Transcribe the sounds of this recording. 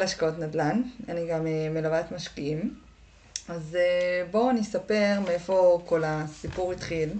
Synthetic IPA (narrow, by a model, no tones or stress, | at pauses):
laʃkao̞t̪nadlana̰niɡamemelavatmaʃkiim | azebo̞nisape̞ʁmeefo̞kʰo̞lasipuʁitχil